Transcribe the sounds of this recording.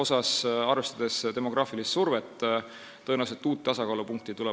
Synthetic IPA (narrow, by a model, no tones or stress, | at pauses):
o̞sɑsɑrvest̪ɑd̪̥e̞st̪e̞mo̞ɡ̥rɑːfilist̪survet̪ː | ɤenɑwset̪ːuːt̪̚ːɑsɑkɑːlupuŋk̚t̪it̪ulɛ